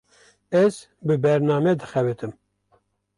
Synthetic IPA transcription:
ɛz | bɨbɛɾnɑːmɛd̪ɨxɛvɨt̪ʰɨm

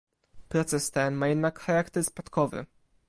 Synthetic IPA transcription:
pɾɔt̪sɛst̪ɛnmajɛd̪nakxaɾakt̪ɛɾspat̪kɔvɘ̰

